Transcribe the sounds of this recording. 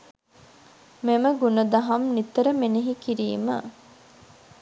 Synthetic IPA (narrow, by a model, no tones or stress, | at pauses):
meməɡunəd̪ɐɦɐmnit̪əɾəmeneɦikiɾiːmə̰